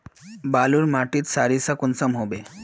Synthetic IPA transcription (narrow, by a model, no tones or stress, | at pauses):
baluːɾmaʈiːt̪saɾisakunsəmɦobe